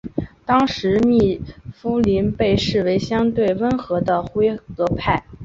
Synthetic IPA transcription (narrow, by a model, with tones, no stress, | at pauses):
t̪ɑ˥ŋʂɻ̩˧˥mi˥˩fu˥li˧˥npe˥˧ɪʂɻ̩˥˩we˧˥ɪɕjɑ˥ŋt̪we˥˩ɪwə˥nxɤ˧˥d̪ə˧xwe˥ɪkɤ˧˥pʰa˥˩ɪ